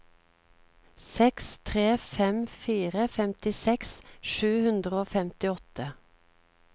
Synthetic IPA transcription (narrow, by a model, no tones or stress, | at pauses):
sɛkst̪ʰʁeːfɛmfiːʁəfɛmt̪ɪsɛksʃʉːhʉnd̪ʁəoːfɛmt̪ɪɔt̪ə